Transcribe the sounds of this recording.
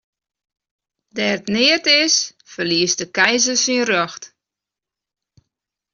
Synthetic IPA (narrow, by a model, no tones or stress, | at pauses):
dɛːətnɪətɪs | fərliəsdəkɛjzəsinrɔxt